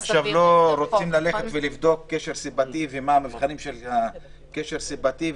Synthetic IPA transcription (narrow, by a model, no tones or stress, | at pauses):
aχʃʃavlo̞ɾo̞t͡simlale̞χet̪velivd̪o̞kːeʃe̞ʁsibat̪ivemaːmivχanimʃelha | keʃeʁsibat̪i